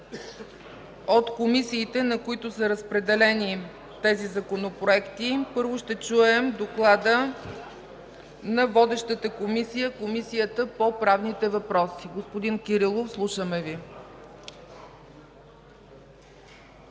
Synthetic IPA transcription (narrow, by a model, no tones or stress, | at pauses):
ot̪komisiːt̪ɛnɐkoit̪ʊsəɾəspɾɛd̪ɛlɛni | t̪ɛzizɐkonopɾoɛkt̪ipɤɾvoʃt̪ɛt͡ʃuɛmd̪oklˠad̪ə | nɐvɔd̪ɛʃt̪ət̪əkomisijəkomisijət̪əpopɾavnit̪ɛvɐpɾɔsiɡospod̪inkiɾilˠofslˠuʃəmɛvi